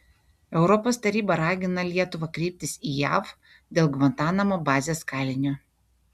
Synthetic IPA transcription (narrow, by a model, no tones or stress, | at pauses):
ɛʊɾɔpoːst̪ɐɾʲiːbɐɾɑːɡʲɪnɐlʲiɛt̪ʊʋɐkɾʲɛɪp̚ʲt̪ʲɪsʲiːjæ̰ːf | d̪ʲeːlˠɡʋɐnt̪ɑːnɐmoːbɑːzʲeːskɑːlʲɪnʲoː